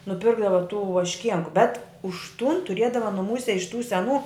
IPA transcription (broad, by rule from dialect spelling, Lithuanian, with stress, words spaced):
nʊˈpʲɪrɡdɐʋɐ tuː ʋɐʃʲˈkʲiɛŋkʊ bʲɛt ʊʃ tʊn tʊˈrʲiɛdɐʋɐ nʊˈmuːsʲɛ ɪʃ tuː sʲɛˈnuː